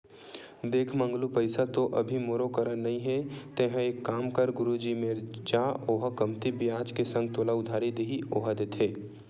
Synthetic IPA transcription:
d̪eːkʰmə̃ŋɡlupəɪsat̪oʔɐbʱimoːɾokəɾəɾnɐɦĩɦɛt̪ẽːɦə̃eːkːaːmkəɾɡʊɾud͡ʒimed͡ʒaːoːɦkɐmt̪ibɪjaːd͡ʒkesɐ̃ŋɡ̚t̪oːlaʊd̪ʱaːɾid̪eɦioːɦad̪eːt̪ʰɦeː

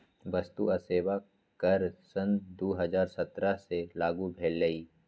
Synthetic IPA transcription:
ʋɐst̪uɐseːʋa | kəɾsənd̪oːɦəzaːɾsɐt̪ɾaselaːɡubʱeːlːəiː

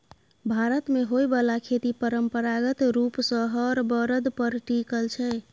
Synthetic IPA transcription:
bʱaɾət̪meɦojbəlakʰet̪ipəɾəmpəɾaɡət̪ɾupsə̃ɦəɾbəɾəd̪pəɾʈikəlt͡ʃʰɛ

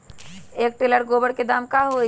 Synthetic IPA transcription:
eːk̚ʈeləɾɡoːbəɽked̪aːmkaɦo

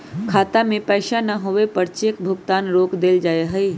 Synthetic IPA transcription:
kʰaːt̪amẽpɛːʃanɐɦoʋepɐɾt͡ʃeːk̚bʱʊɡt̪aːnɾoːkd̪eːld͡ʒaːeɦɛi

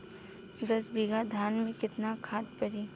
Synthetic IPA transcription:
ɡ̪ɐsbiɡad̪ʱaːnmẽkɪt̪nakʰaːt̪pɐɾiː

